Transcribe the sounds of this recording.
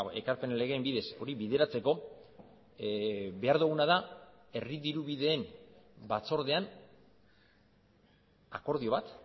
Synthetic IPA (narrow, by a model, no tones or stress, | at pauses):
e̞kaɾpe̞nle̞ɣeːmbiðe̞so̞ɾiβiðe̞ɾat͡se̞ko̞ | βe̞aɾðuɣunaðae̞riðiɾuβiðe̞ːmbat͡so̞ɾðe̞an | ako̞ɾðio̞βat̪